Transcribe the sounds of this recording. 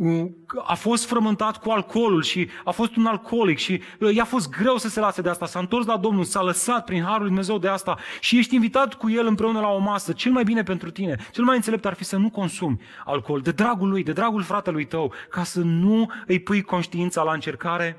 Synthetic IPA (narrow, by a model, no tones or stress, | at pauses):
a̰fo̞st̪fɾəmɨnt̪at̪kualkʰo̞lulʃiafo̞st̪unalkʰo̞likʃi | jafo̞st̪̚ɡɾe̞wsəse̞lased̪east̪asaɨnt̪o̞rs̬lad̪o̞mnulsaləsat̪̚pɾinɦaɾulujd̪ume̞ze̞wd̪east̪aʃije̞ʃt̪ʲinvit̪at̪kuje̞lɨmpɾe̞unəlao̞masət͡ʃe̞lmajbine̞pe̞nt̪ɾut̪ine̞t͡ʃe̞lmajɨnselept̪arfisənuko̞nsumʲ | a̰lko̞ld̪e̞d̪ɾaɡulujd̪e̞d̪ɾaɡulfɾat̪e̞lujt̪əwkasənuɨjpujko̞nʃt̪iint̪salaɨnt͡ʃe̞rkaɾe̞